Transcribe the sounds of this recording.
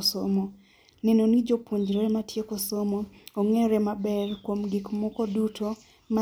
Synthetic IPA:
somɔ | nɛnonid͡ʒopwoɲd͡ʒɾɛmatjekosomɔoŋeɾɛmabɛrkwomɡɪkmɔkɔdutʰo | ma

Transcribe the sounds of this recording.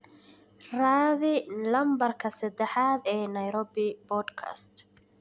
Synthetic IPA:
raːðɪlɐmbɐrkʰɐsɐd̪ɛħaːd̪ɛːnɐjɾɔːbɪbɔːd̪kʰa̰st̪

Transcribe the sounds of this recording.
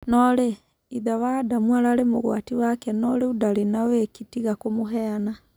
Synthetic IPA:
nɔɾe | iðawadamwaɾaɾemoɣwa̰tiwakɛnɔɾeudaɾenawekitiɣakomoɦɛana

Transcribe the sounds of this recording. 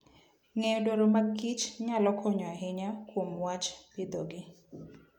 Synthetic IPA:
ŋejodoɾomaɡit͡ʃɲalɔkʰɔɲɔaɦɪɲakwomwat͡ʃpɪd̪oɡɪ

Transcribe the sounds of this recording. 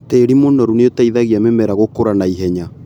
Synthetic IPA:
teːɾimonɔɾuneotaiðaɣiamemɛɾaɣokoɾanaiɦɛɲa

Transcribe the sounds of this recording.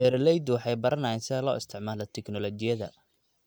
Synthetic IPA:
ɛɾlɛjd̪wɑħɑjbɐɾɐnɐjɛnsɪðɛlɔ̰ːɪst̪ʰɪʕmaːlɐt̪ʰɛknɔlɔt͡ʃɪjɐðɐ̰

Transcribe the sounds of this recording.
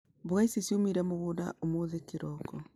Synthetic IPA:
boɣaisesiomiɾɛmoɣoda̰ʔomoðekeɾɔkɔ

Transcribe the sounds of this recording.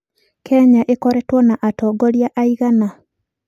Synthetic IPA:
kʰɛɲaʔekɔɾɛtwɔnaʔatɔɡɔljaʔaiɣana

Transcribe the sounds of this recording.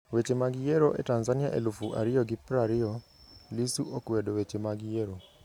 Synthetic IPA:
wet͡ʃemaɡijɛɾoʔɛ̰tanzania̰ʔḛlufuʔa̰ɾɪjɔɡɪpɾaɾɪɔ | lisuʔokuwɛdɔwet͡ʃemaɡijeɾo

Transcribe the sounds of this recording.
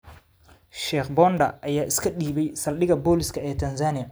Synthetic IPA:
ʃɛːχbɔːnd̪ɐ̰ɐjaːʔɪskʰɐɗiːβɛjsɐlɗɪɣɐbɔːlɪskʰɐɛːt̪ʰɐnsaːnɪjɐ

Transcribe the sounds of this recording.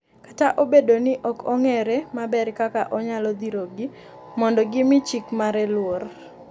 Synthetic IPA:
kataʔobedonɪʔɔkʰɔŋɛɾɛmabɛrkakaʔɔɲalɔd̪iɾoɡɪ | mɔndɔɡɪmɪt͡ʃikmaɾɛlwor

